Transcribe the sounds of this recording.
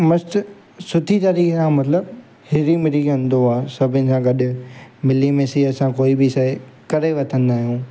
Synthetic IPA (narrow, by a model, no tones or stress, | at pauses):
mɐst̪ | sʊt̪ʰit̪aːɾiːxsãːmɐt̪ləb | hɪːɾimɪɾiɡɐ̃nd̪oaːsɐbʱɪnɪ̆sãɡɐɗʊ̆mɪlimẽsiɐsãkoːibɪɪsaːe | kɐɾeʋɐt̪ʰə̃n̆d̪aːɦijõː